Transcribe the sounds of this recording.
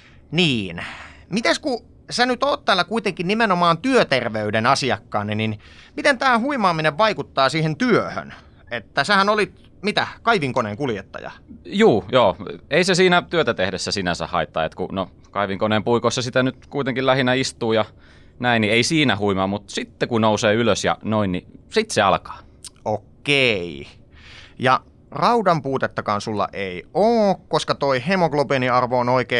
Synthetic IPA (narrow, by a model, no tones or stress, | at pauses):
niːnmit̪esku | senyt̪oːt̪t̪æːlːɑkuit̪eŋkinnimenomɑːnt̪yøt̪erʋeydenɑsiɑkːɑːnːinin | mit̪ent̪æːhuimɑːmineʋʋɑikut̪ːɑːsiːhent̪yøhø̰n | et̪ːæsehænolit̪ | mit̪ækɑiʋiŋkoneːŋkuljet̪ːɑ̰jɑ̰juːjoːeisesiːnæt̪yøt̪æt̪ehdesːæsinæsæ̰hɑ̰it̪ːɑ̰ḛt̪kṵno | kɑiʋiŋkoneːmpuikosːɑsit̪ænyt̪kuit̪eŋkilæhinæist̪ˑuːjɑ | næinnieisiːnæhuimɑmut̪sit̪ːekunouseːyløsjɑ̰noinnisit̪seɑlkɑ̥ː | okːei | jɑ | rɑudɑmpuːt̪et̪ːɑkɑːnsulːɑ̰ʔeioːkkoskɑt̪oihemoklopeniɑrʋoːnoikeː